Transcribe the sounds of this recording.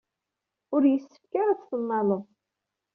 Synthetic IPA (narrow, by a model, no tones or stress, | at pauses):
ʊɾjəsːə̥fkaɾæt͡sθənːɑlˤo